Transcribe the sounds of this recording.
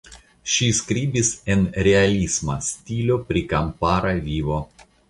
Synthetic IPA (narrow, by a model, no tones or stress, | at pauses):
ʃiskɾʲibʲisenɾʲealʲisma̰sʲt̪ʲilʲopɾʲikampaːɾɐʋʲiːʋo